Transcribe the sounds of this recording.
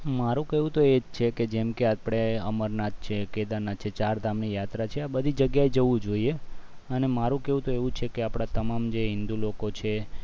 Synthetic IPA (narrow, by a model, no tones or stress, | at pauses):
maɾũkeʋũt̪oed͡ʒt͡ʃʰeked͡ʒemkeapɽ̃eəməɾnatt͡ʃʰeked̪anat͡ʃʰet͡ʃaɾd̪ʱamnijat̪ɾat͡ʃʰeabəd̪ʱid͡ʒəɡjaed͡ʒəʋũd͡ʒoie | ənemaɾũkeʋũt̪oeʋũt͡ʃʰekeapɽ̃at̪əmamd͡ʒeɦɪnd̪ulokot͡ʃʰe